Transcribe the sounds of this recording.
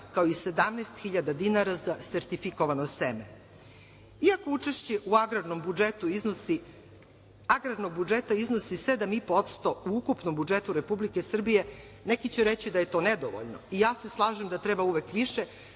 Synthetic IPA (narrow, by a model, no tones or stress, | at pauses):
kaoise̞d̪amnɛːst̪xiʎad̪ad̪inaɾazaseɾt̪ifikoʋanoseme | iako̞ut͡ʃeʃt͡ɕeʔuaɡɾad̪nombuet̪ui | aɡɾadnoɡ̚bud͡ʒet̪aiznosise̞d̪amipot̪st̪o̞uukupnombud͡ʒet̪uɾe̞publikesr̩bije̞ | nekit͡ɕeɾet͡ɕid̪aje̞t̪o̞ned̪oʋo̰ʎno̰ijaːse̞slˠaːʒemd̪at̪ɾebauʋe̞kʋiʃe